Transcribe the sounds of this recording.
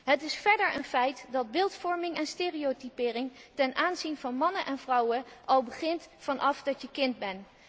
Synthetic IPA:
ɦətɪsfɛɹdəɹənfɛjtdɑd̚bɪːlˠtfɔɹmɪŋɛnsteːriotipɪːrɪŋtɛnʔaːnzinvɑnmɑnənʔɛnvrʌwənʔɑlˠbəχɪntfɑnʔɑfdɑtjəkɪndbɛn

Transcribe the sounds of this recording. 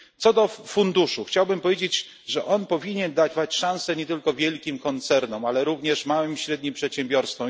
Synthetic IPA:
t̪sɔd̪ɔfund̪uʂuxt͡ɕawbɘmpɔvʲjed͡ʑed͡ʑ | ʐɛʔɔnpɔvʲiɲɛnd̪ad͡ʑvat͡ɕʂãñsɛɲɛt̪ɘlkɔvʲjɛlkʲimkɔnt̪sɛɾnɔmalɛɾuvɲɛʂmawɘmɕɾɛd̪̚ɲimpʂɛt̪ɕɛmbʲjɔɾst̪fɔ̃m

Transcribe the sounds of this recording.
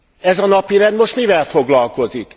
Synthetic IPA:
ɛzɒnɒpiɾɛnd̪mo̞ʃt̪mivɛlfo̞ɡlɒlko̞zik

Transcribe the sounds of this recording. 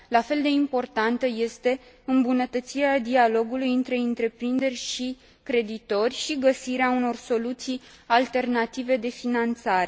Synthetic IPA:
lafe̞ld̪e̞impo̞rt̪ant̪əje̞st̪e̞ | ɨmbunət̪ət̪siɾead̪ialo̞ɡulujɨnt̪ɾe̞ɨnt̪ɾe̞pɾind̪e̞rʲʃi | kɾe̞d̪it̪o̞rʲʃiɡəsiɾeauno̞rso̞lut̪sij | alt̪e̞rnat̪ive̞d̪e̞finant̪saɾe̞

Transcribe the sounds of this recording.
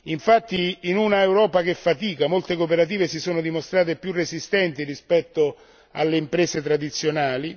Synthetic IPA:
iɱfat̪ːiːnunaewɾɔːpak̟efːat̪iːkamolt̪ekopeɾat̪̬iːvesisoːnod̪imost̪ɾaːt̪̬epjurːesist̪ɛnt̪irispɛt̪ːo | a̰lːeimpɾeːset̪ɾad̪it̪sːjonaːli

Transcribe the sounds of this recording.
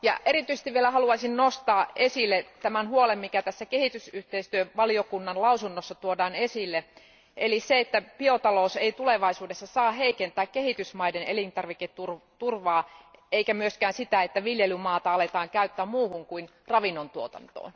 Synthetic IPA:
jɑ̰ʔeɾit̪yise̥st̪iʋielæhɑluɑisinnost̪ɑːesilːet̪æmænhuolemmikæt̪æsːækehit̪ysyht̪eist̪yøʋɑliokunːɑnlɑusunːosːɑt̪uodɑːnesilːe | ʔeliseet̪ːæpiot̪ɑlouseit̪uleʋɑisuːdesːɑsɑːɦeikent̪æːkkehit̪ysmɑidenelint̪ɑrʋiket̪urt̪urʋɑːeikæmyøskæːnsit̪æet̪ːæʋiljelymɑːt̪ɑɑlet̪ɑːŋkæyt̪ːæmmuːhuŋkuin | rɑʋinːont̪uot̪ɑ̰nt̪o̰ːn

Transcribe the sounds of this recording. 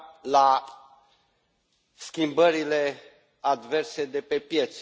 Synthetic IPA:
la | skʲimbəɾile̞ | ad̪ve̞rse̞d̪e̞pe̞pje̞t̪s

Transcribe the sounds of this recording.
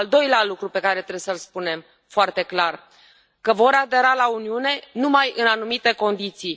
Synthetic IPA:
ld̪o̞jlealukɾupe̞kaɾe̞t̪ɾesəlspune̞m | foart̪e̞klar | kəvo̞ɾad̪e̞ɾalauniune̞numajɨnanumit̪e̞ko̞nd̪it̪sij

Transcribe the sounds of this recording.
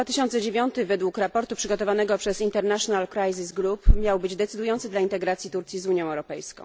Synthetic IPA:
vat̪ɘɕɔnt̪sɛd͡ʑevʲjɔnt̪ɘvɛd̪wukɾapɔɾt̪upʂɘɡɔt̪ɔvanɛɡɔpʂɛzint̪ɛɾnaʂɔnalkɾajzisɡɾupmʲjawbɘd͡ʑd̪ɛt̪sɘd̪ujɔnt̪sɘd̪laint̪ɛɡɾat̪sʲjit̪uɾt̪sʲjizuɲjɔ̃w̃ɛwɾɔpɛjskɔ̰̃w̃

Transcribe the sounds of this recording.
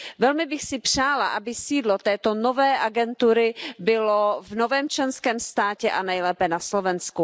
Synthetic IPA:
vɛlmɪbɪxsɪpr̝̥aːla̰ʔabɪsiːdlot̪ɛːt̪o̞novɛːʔaɡɛnt̪uɾɪbɪlovnovɛːmt͡ʃlɛnskɛːmst̪aːcɛʔanɛjlɛːpɛnaslovɛnsku

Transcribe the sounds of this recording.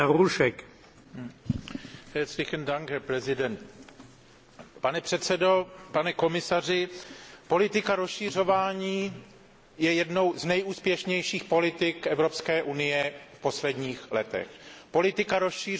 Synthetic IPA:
aɾuʃɛk | hɛslɪxɛnd̪aŋkɦɛɾpɾɛzɪdɛnt̪ | panɛpr̝̥ɛt̪sɛdo̞panɛko̞mɪsarɪpo̞lɪt̪ɪkaɾosʃir̝o̞vaːɲiː | jɛjɛdno̞wznɛjuːspjɛʃɲɛjʃiːxpo̞lɪt̪ɪkʔɛvɾo̞pskɛːʔunɪjɛfpo̞slɛdɲiːxlɛt̪ɛ̰xpo̞lɪt̪ɪkaɾosʃiː

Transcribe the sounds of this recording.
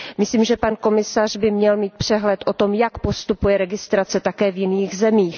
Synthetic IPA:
mɪsliːmʒɛpanko̞mɪsar̝bɪmɲɛlmiːt̪̚pr̥ɛɦlɛt̪ʔo̞t̪o̞mjakpo̞st̪upujɛɾɛɡɪst̪ɾat͡sɛt̪akɛːvjɪniːxzɛmiːx

